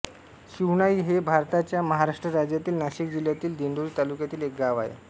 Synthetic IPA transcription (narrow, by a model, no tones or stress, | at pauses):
ɕiʋɳaiːɦebʱaɾt̪at͡ɕjaməɦaɾaʂʈɾəɾad͡ʑjat̪iːlnaɕik̚d͡ʑiljat̪iːld̪iɳɖ̪uɾiːt̪alukjat̪iːlek̚ɡaʋaḛ